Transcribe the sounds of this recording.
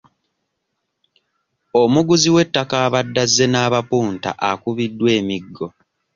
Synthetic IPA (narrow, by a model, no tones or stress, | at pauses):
omuɡuziwe̞tːakaːβadːazːe̞naːβapuːnta̰ʔakuβidːwe̞ːmiɡːo̞